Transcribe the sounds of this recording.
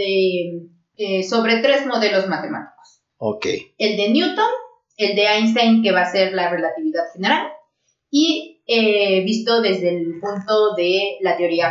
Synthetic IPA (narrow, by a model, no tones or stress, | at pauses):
e | eso̞βɾe̞t̪ɾe̞zmo̞ðe̞lo̞zmat̪e̞ma̰t̪i̥ko̥s | okḛje̞ld̪e̞njut̪on | e̞ld̪e̞ajns̬t̪ajnke̞βase̞ɾlare̞lat̪iβiðaðxene̞ɾal | ieβist̪o̞ðe̞zðelpunt̪o̞ðe̞lat̪eo̞ɾia